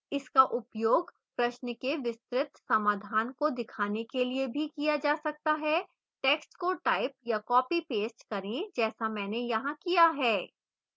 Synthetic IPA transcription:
ɪskaʔʊpjoːɡ | pɾɐʃnəkeʋɪst̪ɾɪt̪sɐmaːd̪ʱaːnkod̪ɪkʰaːnekeliebʱikijad͡ʒaːsɐk̚t̪aɦɛ | ʈɛːksʈkoʈaːɪp̚jakɔːpipeːsʈkɐɾẽd͡ʒɛːsamɛːnejɐɦãkijaɦɛː

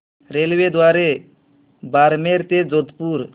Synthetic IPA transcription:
ɾelwed̪oaɾe | baɾmeɾt̪ed͡ʒod̪puɾ

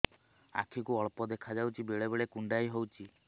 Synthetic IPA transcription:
a̰kʰikuɔɭpɔd̪ekʰad͡ʒawt͡ʃʰibeɭebeɭekuɳɖajɦowt͡ʃʰi

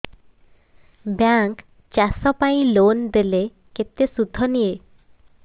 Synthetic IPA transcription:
bjaŋk | t͡ʃasɔpaĩlond̪ele | ket̪esud̪ʱːɔnie

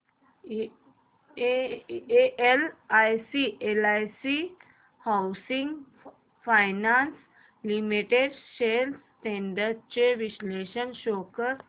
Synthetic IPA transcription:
eʔelajsiʔelajsi | hawsĩŋɡ | fajnans | limiʈeɖsels | ʈẽɳɖəɖt͡ɕeʋisleɕənɕokəɾ

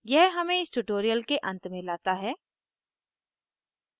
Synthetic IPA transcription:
jɛɦɦɐmẽɪsʈuʈoːɾijəlkeʔɐ̃nt̪mẽlaːt̪aɦɛː

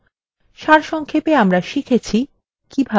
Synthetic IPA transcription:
ʃaɾʃɔŋkʰepeamɾaʃikʰet͡ɕʰi | kibʱa

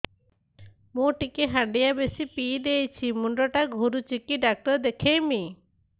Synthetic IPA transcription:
mõʈikeɦaɳɖijabesipid̪ejt͡ʃʰimuɳɖɔʈaɡʱuɾut͡ʃikiɖak̚ʈɔɾd̪ekʰejmi

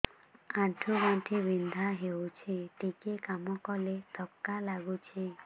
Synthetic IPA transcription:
ãʈʰuɡɔʈʰibind̪ʱaɦewt͡ʃʰiʈikekamɔkɔlet̪ɔkːalaɡut͡ʃʰi

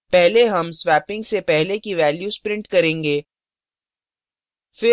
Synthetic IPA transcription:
pɛɦleɦɐmsʋɛːpɪ̃ŋɡsepɛɦlekiʋɛːljuːspɾɪ̃ɳʈkɐɾẽːŋɡeː | fɪ

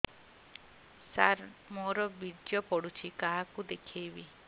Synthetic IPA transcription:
saɾmoɾɔbidjɔpɔɽut͡ʃʰikaɦakud̪ekʰibi

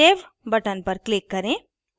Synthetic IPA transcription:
eːʋ | bɐʈənpɐɾklɪkːɐɾẽː

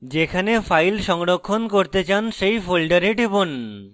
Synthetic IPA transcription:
d͡ʑekʰanefajlʃɔŋɾokʰːonkoɾt̪et͡ɕanʃejfolɖaɾeʈibon

